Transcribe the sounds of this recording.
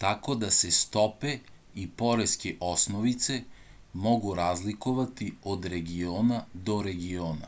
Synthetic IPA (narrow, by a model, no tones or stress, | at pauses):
t̪akod̪asɛst̪ɔpɛ | ipɔɾɛskiʔɔsnɔvit̪sɛmɔɡuɾazlikuvat̪iod̪ɾɛɡiɔnad̪ɔɾɛɡiɔna̰